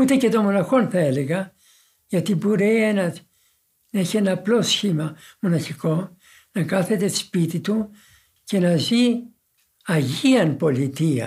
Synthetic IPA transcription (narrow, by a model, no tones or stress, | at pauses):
ut̪e̞ce̞t̪o̞mo̞nɐxo̞nθɐe̞le̞ɣɐ | ʝɐt̪iboɾeenɐ | neçienɐːplo̞sçimɐmonɐçiko̞ | nɐkɐθe̞t̪e̞t̪i̥spit̪it̪u | ce̞nɐzi | ɐʝiɐnpo̞lit̪iɐ̰